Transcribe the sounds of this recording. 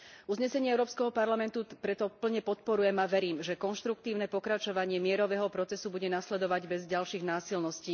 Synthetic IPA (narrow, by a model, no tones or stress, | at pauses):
uzɲɛsɛɲɪɛɛʊɾɔːpskɛɦɔpaɾlamɛnt̪upɾɛt̪ɔpl̩ɲɛpɔt̪̚pɔɾujɛmaʋɛɾiːmʒɛkɔnʃt̪ɾuk̚t̪iːʊnɛpɔkɾat͡ʃɔʋaɲɪɛmɪɛɾɔʋɛːɦɔpɾɔt͡sɛsubuɟɛnaslɛd̪ɔʋaɟbɛzɟalʃiːɣnaːsilnɔsciː